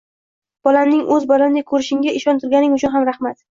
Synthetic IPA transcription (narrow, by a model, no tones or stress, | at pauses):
b̥ɒlamnɪŋʔɵzbɒlamnɪkʰɵɾɪʃɪŋɡʲaɪʃɒnt̪ʰʊɾɡʲanɪŋʊt͡ʃʰʊnɦamɾahmat̪